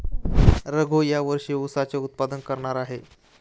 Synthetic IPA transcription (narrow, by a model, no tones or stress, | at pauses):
ɾəɡʱojaʋəɾʂiːusat͡seut̪̚pad̪ənkəɾɳaɾaɦe